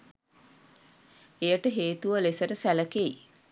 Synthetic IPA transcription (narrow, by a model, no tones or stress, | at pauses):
ejəʈəɦeːt̪uʋəlesəɾəsæləkei